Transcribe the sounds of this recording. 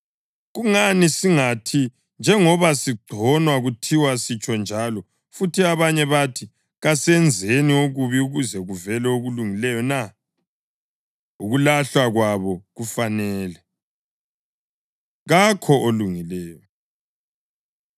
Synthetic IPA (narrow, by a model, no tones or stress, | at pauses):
ɣuŋanisiŋatʰi | nd͡ʒʱɛŋɔβasiɡ͡ǀʱɔnwaɣutʰiwasit͡ʃʰʼɔnd͡ʒʱalɔ | futʰiaβaɲɛβatʰi | ɣasɛnd͡zʱenioɣuβiuɣuzɛɣuvɛlɛoɣuluŋilɛjɔna | uɣulaɬwaɣwaβɔɣufanɛːlɛ | ɣakʰɔʔoluŋilɛːjɔ